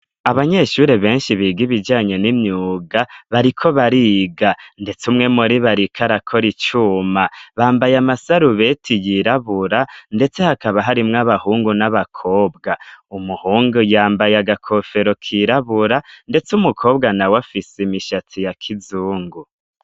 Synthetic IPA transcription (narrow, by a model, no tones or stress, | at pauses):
aβaɲe̞ʃuːɾe̞βe̞ːnʃiβiɡiβid͡ʒaːɲe̞nimɲuːɡaβaɾikʰo̞βaɾiɡande̞t͡sumŋe̞muɾiβaɾikʰaɾakʰo̞ɾit͡ʃuːmaβaːmbajamasaɾuβe̞tʰijiɾaβuɾande̞t͡se̞hakaβaɦaɾimŋaβahuːŋɡunaβakʰo̞ːbɡaumuhuːŋɡujaːmbajaɡakʰo̞fe̞ɾo̞kʰiɾaβuɾande̞t͡sumukʰo̞ːbɡanawafisimiʃatʰijakʰizuːŋɡu